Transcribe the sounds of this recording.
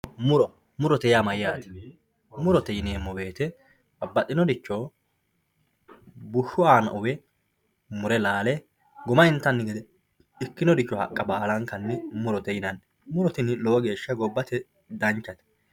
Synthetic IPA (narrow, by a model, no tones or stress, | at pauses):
mʊɾɔ | mʊɾɔt̪ɛjamɐjaːt̪ɛ̥ | mʊɾɔt̪ɛjɪneːmːɔbe̞ːt̪ɛ | ɐbːɐt̪ʼːɪnɔd̪ɪt͡ʃːo | bʊʃːʊaːnɐ̰ʔʊwɛ | mʊɾɛlaːlɛ | ɡʊmɐɪnt̪ːɐnːɪɡɛd̪ɛ | ɪkːɪnɔd̪ɪt͡ʃːɔhɐ̰kʼːɐbaːlɐŋkɐnːɪmʊɾɔt̪ɛjɪnɐn | mʊɾɔt̪ɪnɪloːɡe̞ːʃːɐɡɔbːɐt̪ɛ | d̪ɐnt͡ʃːɐt̪ɛ̥